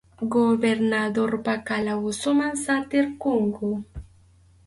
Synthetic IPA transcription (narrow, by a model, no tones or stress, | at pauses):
ɡoβeɾnaðoɾpakalawusumansant̪eɾkuŋɡu